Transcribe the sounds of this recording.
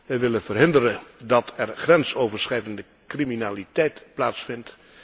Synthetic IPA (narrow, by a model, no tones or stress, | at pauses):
ʋɛjʋɪlənvərɦɪndəɾədɑtʰɛrχrɛnsowvəɹsχɛjdəndə | kriminaːlitɛjtplaːtsfɪnt